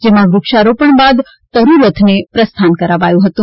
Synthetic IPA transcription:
d͡ʒemãʋɾʊkʃaɾopəɳbad̪ | t̪əɾuɾət̪ʰnepɾəst̪ʰankəɾaʋajũɦət̪ũ

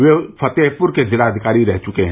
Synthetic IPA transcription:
ʋepʰɐt̪eːɦpʊɾked͡ʒɪɾaːd̪ʱɪkaːɾiɾɛɦt͡ʃʊkeɦ

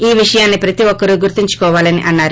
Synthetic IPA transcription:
iːʋiʂɐjaːnːipɾɐt̪iʋɔkːɐɾuɡuɾt̪iɲt͡ʃu̥kɔːʋaːlɐnḭʔɐnːaːɾu

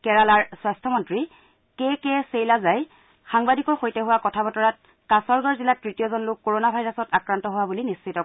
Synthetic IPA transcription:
kɛɹalaɹswastʰɔmɔntɹi | kɛkɛsejlazaj | xaŋbadikɔɹxojtɛɦʊwakɔtʰabɔtɔɹat̚ | kasɔɹɡɔɹzilatɹitijɔzɔnlʊkːoɹonabʱajɹɔsɔtakɹantɔɦowabulinisːitɔ

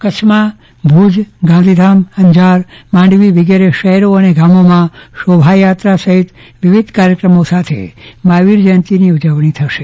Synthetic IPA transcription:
kət͡ʃʰma | bʱud͡ʒɡãnd̪ʱid̪ʱamhəɲd͡ʒʱaɾmãɳɖʋiʋiɡeɾeʃəɦɛɾoəneɡamomãʃobʱajat̪ɾasəɦɪt̪ʋɪʋid̪ʱkaɾjəkɾəmosat̪ʰḛmaʋiɾd͡ʒənt̪iniud͡ʒəʋɳ̃it̪ʰəʃe

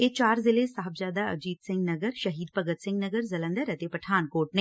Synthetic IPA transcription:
eːt͡ʃaːɾzɪlesaːɦəbzjaːd̪aɐ̰d͡ʒiːd̪sɪ̃ŋɡnɐɡəɾʃɐɦiːd̪̚pəɡət̪sɪ̃ŋɡnəɡəɾzɐlə̃nd̪əɾɐt̪epɐʈʰaːnkoːʈ̚neː

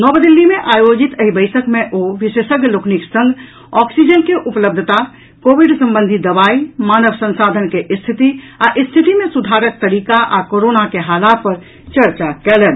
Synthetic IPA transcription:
nɔbd̪ilːimeʔaːjod͡ʒit̪əɦibəɪjsəkmeʔoʋisesəɡjəlokniksə̃ŋɡʱ | ɔksid͡ʒənkeʔupləb̚d̪ʱt̪a | koʋiɖsə̃mbənd̪ʱid̪əbaːimanəbsə̃nsad̪ʱənkeʔst̪ʰit̪i | aʔist̪ʰit̪imẽsud̪ʱaɾək̚t̪əɾikaʔakoɾonakeɦalapəɾ | t͡ʃəɾt͡ʃakɛlɛːn

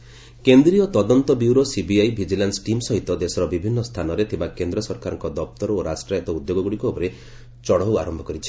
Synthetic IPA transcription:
kend̪ɾiɔt̪ɔd̪ɔnt̪ɔbiuwɾosibiajbʱid͡ʒilansʈimsɔɦit̪ɔd̪esɔɾɔbibʱinːɔst̪ʰanɔɾet̪ʰibakend̪ɾɔsɔɾkaɾɔŋkɔd̪ɔp̚t̪ɔɾɔoɾasʈɾajɔt̪ɔud̪joɡɔɡuɽikuɔpɔɾe | t͡ʃɔɽɔwa̰ɾɔmbʱɔkɔɾit͡ʃʰi̥

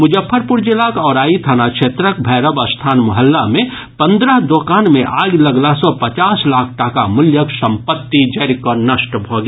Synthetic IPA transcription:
mʊd͡ʒəpʰːəɾpʊɾd͡ʒɪlakɔːɾaːit̪ʰanakʃeːt̪ɾək̚bʱɛːɾəbəst̪ʰaːnmʊɦəlːamẽ | pɐ̃nd̪ɾəɦd̪oːkaːnmẽʔaːɡləɡlasɔpət͡ʃaːslaːkʰʈakamʊljəksə̃mpət̪ːid͡ʒɛɾkɔnɐʃʈbʱoːɡ

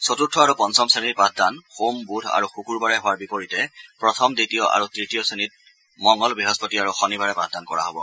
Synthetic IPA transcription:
sotutʰːɔaɹupɔnsɔmsenit̚pat̚danxombudʱa̰ɹuxukuɹbaɹɛɦʊwaɹbipoɹitɛpɹɔtʰɔmditijɔʔa̰ɹutɹitijɔsenit̚ | mɔŋɔlbiɦɔspɔtiaɹuxɔnibaɹɛpɹa̰t̚dankɔɹa̰ɦɔbɔ̰

